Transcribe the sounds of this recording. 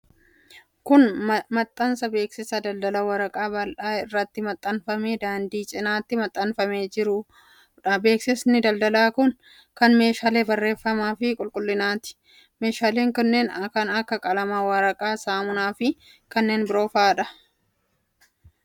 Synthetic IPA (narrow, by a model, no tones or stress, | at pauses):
kʊnmɐt̪ʼːɐnsɐbe̞ːksɪsɐd̪ɐld̪ɐlɐwɐɾɐkʼaːbɐlᶑaːɪrːɐt̪ːɪmɐt̪ʼːɐnfɐme̞ːd̪aːnd̪iːt͡ʃʼɪnaːt̪ːɪmɐt̪ʼːɐnfɐme̞ːd͡ʒɪɾʊ | ᶑɐbe̞ːksɪsnɪd̪ɐld̪ɐlaːkʊn | kɐnme̞ːʃaːleːbɐrːe̞ːfːɐmaːfɪkʼʊlkʼʊlːɪnaːt̪ɪ̥ | me̞ːʃaːle̞ːŋkɐnːe̞ːnkɐnɐkːɐkʼɐlɐmaːwɐɾɐkʼaːsaːmʊnaːfɪ | kɐnːe̞ːnbɪɾo̞ːfaːᶑɐ